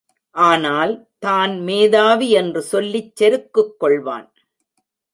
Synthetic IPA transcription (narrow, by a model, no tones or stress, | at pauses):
ʔaːnaːlt̪aːnmeːðaːʋiɛndrɯsɔlːɪt͡ʃːɛɾɯkːɯkːɔɭʋa̰ːn